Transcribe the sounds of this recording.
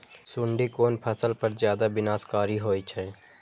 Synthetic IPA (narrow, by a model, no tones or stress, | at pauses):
sʊɳɖikoːnpʰəsəlpəɾzjaːd̪abɪnaːskaːɾiɦoːit͡ʃʰɛː